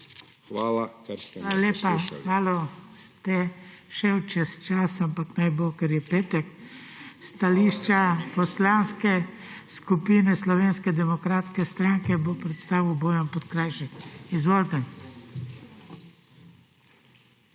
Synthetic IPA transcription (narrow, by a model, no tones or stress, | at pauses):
a | alaleːpaxaːlɔst̪ɛʃɛwt͡ʃɛst͡ʃaːsampaknajbokɛɾjɛpeːt̪ɛk | st̪aliːʃt͡ʃapɔslanskɛ | skupinɛslɔʋeːnskɛd̪ɛmɔkɾaːt̪skɛst̪ɾaŋkɛbopɾɛt̪st̪aːʋiwboːjɔmpɔt̪kɾajʃɛkizʋoːlt̪ɛ